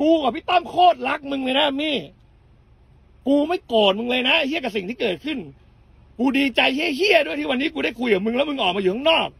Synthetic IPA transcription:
kuː˧ka˨˩pʰiː˦˥˩t̪ɔ˥˩mkʰoː˥˩t̪̚la˦˥k̚mɯ˧ŋlɤː˧jna˦˥˧miː˧˥˩ | kuː˧ma˥˩jkoː˨˩t̪̚mɯ˧ŋlɤː˧jna˦˥˩hi˥˩ka˨˩si˨˩ŋiː˥˩kɤː˨˩t̪̚kʰɯ˥˩n | kuː˧diː˧t͡ɕa˧jhi˥˩ɐɦi˥˩ɐdu˥˩t̪ʰiː˥˩wa˧nːiː˦˥k̬uː˧ɾa˥˩jkʰu˧jka˨˩mɯ˧ŋlːwmɯ˧ŋʔɔː˨˩maː˧juː˨˩a˥˩ŋnɔː˥˩k̚

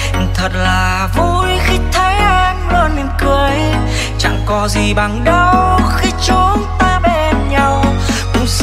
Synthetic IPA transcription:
t̪ʰə˨˩t̚laː˨˩˨ | vu˧˩jxi˧t̪ʰə˨˦jʔa˧nlə˧nːe˨˧˩nkɨ˨˧˨əj | t͡ɕa̰˧˩ŋkɔ˨˦zi˨˩ɓa˨˩ŋɗə˧wxi˧t͡ɕo˨˦nt̪aː˧ɓe˧nɲa˧w | kʊ̰˧˥ŋ͡ms

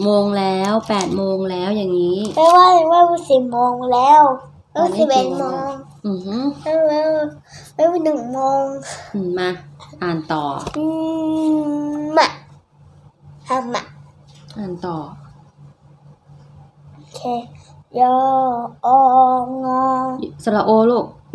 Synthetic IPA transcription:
moː˧ŋlɛː˦˥wpɛː˨˩t̪̚moː˧ŋlɛː˦˥wjaː˨˩ŋːiː˦˥pɛː˧waː˧˩na˧maː˧˥˨buː˧˩˨siː˨˩moː˧ŋlɛː˦˥w | ma˧˦˨u˧˨siː˨˦˩e˨˩t̪moː˧ŋ | ɯ˨˩ha˧˩˧laː˧˥˧ | ma˧˥˨uː˧˥˩nɯ˨˩ŋmoː˧ŋɯ˨˧˩ma˧ʔaː˨˩nt̪ɔː˨˩ʔɯː˧ | ma˧˩ | ʔaː˧˩ma˧˩ʔaː˨˩nt̪ɔː˨˩ | ʔo˧˩kʰeː˧jɔː˧˩ʔɔː˧˩˧ŋɔː˧sa˧˩la˧ʔoː˧loː˥˩k̚

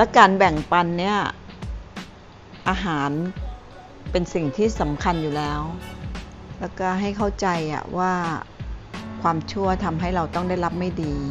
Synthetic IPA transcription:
lɛ˦˥kaː˧nbɛ˨˩ŋpa˧nːi˦˥˩ɐ | ʔaː˧ɦaː˩˦n | pe˧nsi˨˩ŋt̪ʰiː˥˩sa˩˦mkʰa˧njuː˨˩lɛː˦˥w | lɛː˦˥wkɔː˥˩ɦa˥˩jkʰa˥˩wt͡ɕa˧jʔa̰˨˩waː˥˩ | kʰwaː˧mt͡ɕʰu˥˩ɐt̪ʰa˧mɦa˥˩jɾa˧wt̪ɔ˥˩ŋda˥˩jla˦˥p̚ma˥˩jdiː˧

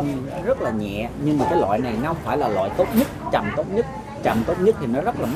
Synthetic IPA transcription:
zə˦˥t̚laː˨˩ɲɛ̰˧˨ɲɨ˧ŋmaː˨˩kaː˨˦jlwa̰ː˧˨jna˨˩jna˧faː˧˩jlaː˨˩lwa̰ː˧˨jt̪o˦˥t̚ɲə˦˥t̚t͡ɕa˨˩mt̪o˦˥t̚ɲə˦˥t̚ | t͡ɕa̰˨˩mt̪o˦˥t̚ɲə˦˥t̪ʰi˨˩nɔ˨˦zə˦˥t̚laː˨˩m

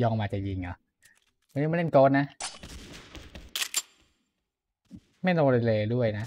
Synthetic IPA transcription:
jɔː˧ŋmaː˨˧t͡ɕa˨˩ji˧ŋʔa̰˨˩ | wa˧ni˦˥˩m˥˨le˥˩nkoː˦˥t̪̚na˦˥ | ma˥˩jnoː˧la˧lɤː˧du˥˩əjna˦˥

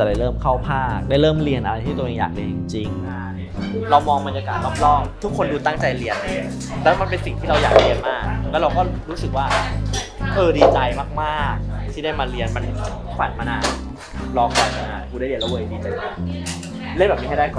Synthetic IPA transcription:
ɛ˨˩da˥˩ɾɤː˥˩mkʰa˥˩wpʰaː˥˩k̚daː˥˩jɾɤː˥˩mli˧ənʔa˧ɾa˧jt̪ʰiː˥˩t̪ːʔeː˧ŋja̰ː˨˩k̚la˧t͡ɕi˧ŋt͡ɕi˧ŋ | ɾa˧wmɔː˧ŋba˧nja˧kaː˨˩t̪̚lɔ˦˥p̚lɔː˥˩ŋt̪ʰu˦˥kʰːo˧nduː˧t̪a˥˩ŋt͡ɕa˧jli˧ənːi˥˩ | lɛ˦˥wma˧npe˧nsi˨˩ŋt̪ʰiː˥˩ɾa˧wja̰ː˨˩k̚li˧ənmaː˥˩k̚lɛ˦˥ɾa˧wkɔ˥˩ɾuː˦˥sɯ˨˩k̚waː˥˩ | ʔɤː˧diː˧t͡ɕa˧jmaː˥˩k̚maː˥˩k̚t̪ʰiː˥˩a˥˩jmaː˧li˧ənma˧n | kʰwa̰˨˩t̪̚maː˧naː˧t̚ | lɔː˧kʰwaː˨˩maː˧na̰ː˧˩nkʰu˧da˥˩˨i˧nlwəː˧˩˧diː˧t͡ɕa˧ja˧˩ | le˥˩nbɛː˨˩mi˧˦ha˥jda˥˩jkɔː˨˩

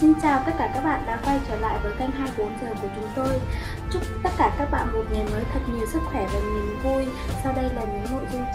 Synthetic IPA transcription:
si˧ŋ̟t͡ɕaː˨˩wk̪ə˦˥t̚kːaː˧˩kaː˦˥k̚ɓa̰ː˧˨nɗa̰ː˧˥kwa˧jt͡ɕəː˧˩la̰ː˧˨jvəː˨˦jka˧jŋ̟ɦaː˧jɓo˨˦nzəː˨˩ku˧˩ət͡ɕʊ˨˦ŋ͡mt̪o˧j | t͡ɕʊ˦˥k͡p̚t̪ə˦˥t̚kaː˧˩kaː˦˥k̚ɓa̰ː˧˨nmo˨˩t̚ŋɛ˨˩nməː˨˦jt̪ʰə˨˩t̚ɲi˨˩əwsɨ˦˥k̚xwɛ˧˩vaː˨˩ɲi˨˩ənvu˧jsa˧wɗə˧jlaː˨˩ɲɨ̰˧˥ŋno̰˧˨jzʊ˧n

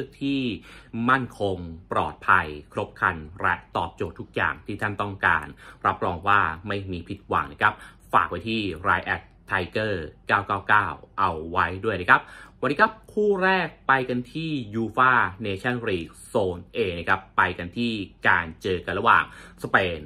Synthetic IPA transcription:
ɯ˥˩ək̚t̪ʰiː˥˩ma˥˩nkʰo˧ŋpɾɔ̰ː˨˩t̪̚pʰa˧jkʰɾo˦˥p̚kʰa˧nɾɛ˦˥ʔt̪ɔ̰ː˨˩p̚t͡ɕoː˨˩t̪ʰːu˦˥k̚ja̰ː˨˩ŋt̪ʰiː˥˩t̪ʰa˥˩nt̪ɔ˥˩ŋka̰ː˧nɾa˦˥p̚ɾɔː˧ŋwaː˥˩ma˥˩jmiː˧pʰi˦˥t̪̚wa̰˨˩ŋna˥˩kʰa˦˥p̚ | fa̰ː˨˩k̚pa˧jt̪ʰiː˥˩ɾaː˧jʔɛ˨˩t̪ʰːa˧jkɤː˥˩kaː˥˩wkaː˥˩wkaː˥˩wʔa˧wːa˦˥jdu˥˩əjna˦˥˩kʰa˦˥p̚wa˧nːi˦˥kʰa˦˥p̚kʰuː˥˩ɾɛː˥˩k̚pa˧jka˧nt̪ʰiː˥˩juː˧faː˥˩neː˧t͡ɕʰa˥˩nɾiː˨˩k̚soː˧nʔeː˧na˦˥˩kʰa˦˥pːa˧jka˧nt̪ʰiː˥˩kaː˧nt͡ɕɤː˧ka˧nɾa˧wa̰ː˨˩ŋspeː˧n

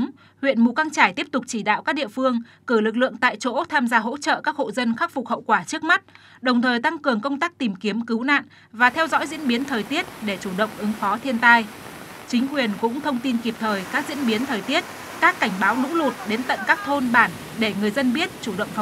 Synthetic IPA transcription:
hwḭ˧˨ənmu˨˩ka˧ŋt͡ɕaː˧˩jt̪i˦˥əp̚t̪ʊ˨˩k͡p̚t͡ɕi˧˩ɗa̰ː˧˨wkaː˦˥ɗḭ˧˨əfɨ˧əŋ | kɨ˧˩lɨ˨˩k̚lɨ̰˧˨əŋt̪a̰ː˧˨jt͡ɕo̰˧˥t̪ʰaː˧mzaː˧ɦo̰˧˥t͡ɕə̰ː˧˨kaː˦˥k̚ho̰˧˨zə˧nxa˦˥k̚fʊ˨˩k͡p̚hə̰˧˨wkwaː˧˩t͡ɕɨ˦˥ək̚ma˦˥t̚ | ɗə˨˩wŋ͡mt̪ʰəː˨˩jt̪a˧ŋkɨ˨˩əŋkə˧wŋ͡mt̪aː˦˥k̚t̪i˨˩mki˨˦əmkɨ˨˦wna̰ː˧˨n | vaː˨˩t̪ʰɛ˧wzɔ̰˧˥jzḭ˧˥ənɓi˨˦ənt̪ʰəː˨˩jt̪i˦˥ət̚ɗe˧˩t͡ɕu˧˩ɗə̰˧˨wŋ͡mʔɨ˨˦ŋfɔ˨˦t̪ʰi˧ənt̪aː˧jt͡ɕï˨˦ŋ̟kwi˨˩ənkʊ̰˧˥ŋ͡mt̪ʰə˧wŋ͡mt̪i˧nki˨˩p̚t̪ʰəː˨˩jkaː˦˥k̚zḭ˧˥ənɓi˨˦ənt̪ʰəː˨˩jt̪i˦˥ət̚ | kaː˦˥kːa˧˩jŋ̟ɓaː˨˦wnʊ̰˧˥lu˨˩t̚ɗe˨˦nt̪ə̰˧˨nkaː˦˥k̚t̪ʰo˧nɓaː˧˩n | ɗe˧˩ŋɨ˨˩əjzə˧nɓi˦˥ət̚t͡ɕu˧˩ɗə̰˧˨wŋ͡mf

